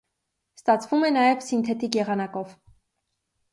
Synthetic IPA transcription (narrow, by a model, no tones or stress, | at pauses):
st̪ɑt͡sʰvumɛnɑjɛvsint̪ʰɛt̪ikjɛʁɑnɑkɔv